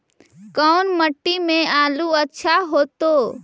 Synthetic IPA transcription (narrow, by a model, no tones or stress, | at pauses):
kəʊnməʈːimẽaːluətːʃʰaɦoːt̪oː